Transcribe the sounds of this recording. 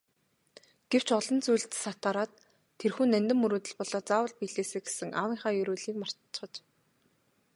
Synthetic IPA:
ɡ̥ew̥t͡ɕʰɔɮɞ̆nt͡sujɮt̪sat̪aːɾaːt̪ʰː | erxuːnːænʲt̪ɘ̆mːɵɾoːt̪ɘ̆ɮpɔɮɔːt͡saːwə̆ɮpiɮeːseːɡe̥sɘ̆ŋʔa̰wiːŋχaːjɵɾuːɮiːkmar̥tt͡ɕ̆ːχə̆t͡ɕ

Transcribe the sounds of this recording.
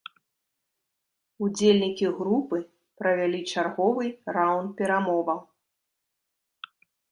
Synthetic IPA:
ud͡zʲelʲnʲikʲiɣɾupɨ | pɾɐvʲalʲit͡ʂarɣɔvɨjɾawnt̪̚pʲɛɾamɔvɐw

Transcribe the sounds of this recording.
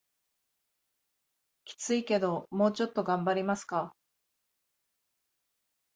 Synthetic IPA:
kʲi̥t͡sɨike̞d̪o̞mo̞ːt͡ɕo̞t̪ːo̞ɡãmbaɾʲimasɨ̥ka

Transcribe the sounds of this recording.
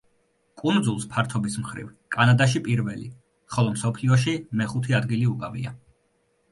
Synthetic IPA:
kʼund̪zulˠspʰaɾt̪ʰɔbismχɾḭvkʼanad̪aʃipʼiɾvɛlḭ | χɔlˠɔmsɔpʰliɔʃ̬imɛχut̪ʰiad̪ɡiliukʼavḭa

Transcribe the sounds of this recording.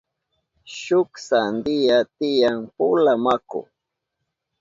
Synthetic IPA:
ʃʊksand̪ɪjat̪ɪjaŋpʊlamakʊ̰

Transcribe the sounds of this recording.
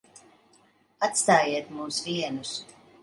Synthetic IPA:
at̪st̪aːjiɛt̪muːsviɛnus

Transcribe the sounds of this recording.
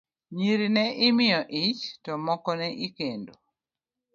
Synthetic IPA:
ɲiɾinɛʔɪmɪjɔʔɪt͡ʃtɔmɔkɔnɛʔikendo

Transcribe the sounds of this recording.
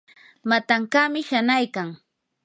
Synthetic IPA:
mat̪aŋkamɪʃanajkaŋ

